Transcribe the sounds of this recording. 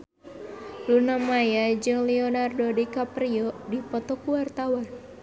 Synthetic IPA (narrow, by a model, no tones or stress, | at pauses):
lunamajad͡ʒɨŋlɛɔnardodikapɾiɔdipɔt̪ɔkuwart̪awan